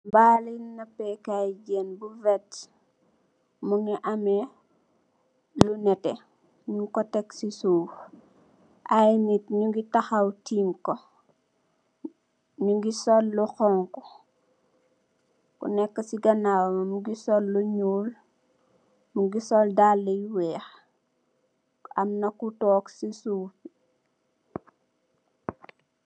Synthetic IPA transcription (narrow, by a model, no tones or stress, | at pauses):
mbaːlinnɐpːɛkajɟɛnbuvɛt | muŋiʔɐmɛ | lunɛtɛ | ɲuŋkɔtɛksisuː | ʔajnitɲuŋɡitaxɐwtimkɔ | ɲuŋɡisɔlːɔxɔŋkɔ | kṵnɛkːɐsiɡɐnawɐmɐmuɡisɔlːuɲuːl | muɡisɔldalːɐjwɛːx | ɐmnɐkutɔːksisup